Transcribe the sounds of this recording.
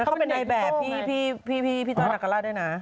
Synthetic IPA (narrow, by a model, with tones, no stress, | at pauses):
kpe˧na˧jbɛː˨˩p̚ʰiː˥˩pʰiː˥˩pʰiː˥˩pʰiː˥˩pʰiː˥˩t͡ɕaː˧na˨˩kːa˧laː˥˩du˥˩jna˦˥